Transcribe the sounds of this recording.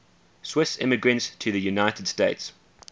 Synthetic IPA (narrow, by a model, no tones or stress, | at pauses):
swɪsɪ̰məɡɹə̃ntstʰəðəjunaɪtəd̥steɪts